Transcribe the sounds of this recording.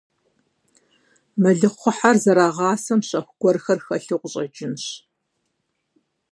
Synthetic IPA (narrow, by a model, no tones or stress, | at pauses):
mɨɮɨχʷʊħarzɐɾaːʁɑːsɐmɕɐxʷʊɡʷɔrxɐrxɐɬɨqʷʊɕʼɐd͡ʒɪnɕ